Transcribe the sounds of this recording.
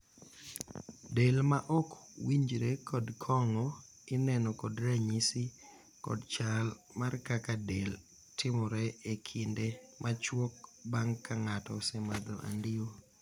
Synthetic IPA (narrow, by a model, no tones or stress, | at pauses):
delmaʔɔkwiɲd͡ʒɾekʰɔdkʰɔŋɔ | ɪnɛnɔkɔdɾaɲisi | kɔ̰dt͡ʃal | markakadel | tʰɪmɔɾɛekʰindemat͡ʃwok̚baŋkːaŋatɔsɛmad̪ɔ̰ʔa̰ndɪo